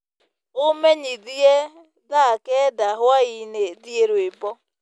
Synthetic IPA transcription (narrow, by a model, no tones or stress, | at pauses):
ʊmeɲiðie | ðakɛdaɦʊaineðieɾwebɔ